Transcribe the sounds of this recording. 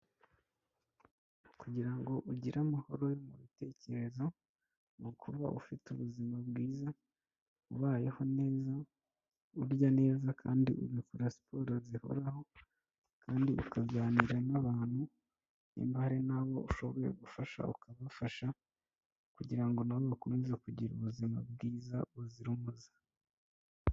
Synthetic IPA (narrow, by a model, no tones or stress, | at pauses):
kuɟiɾaŋɡo̞ʔuɟiɾamaho̞ɾo̞jo̞muβite̞ːce̞ɾe̞zo̞ | nokʰuβa̰ʔṵfituβuzimabɡiːza | uβaːjeho̞ne̞ːza | uɾɟane̞ːzakʰaːndiḭβikuɾasi̥po̞ːɾoziho̞̰ɾaho̞ | kaːndiʔukaɡaːniɾanaβaːn̥hu | nḭmbahaɾinaβo̞̰uʃo̞βo̞ɾḛɡufaʃa̰ukaβafaʃa | kuɟiɾaŋɡo̞naβoβakomezekuɟiɾuβuzima̰bɡiːzaβuziɾumuzḁ